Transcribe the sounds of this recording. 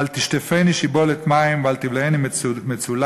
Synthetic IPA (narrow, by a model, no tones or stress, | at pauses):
alt̪iʃt̪efeniʃibolet̪maimvalt̪ivleenimmet͡sul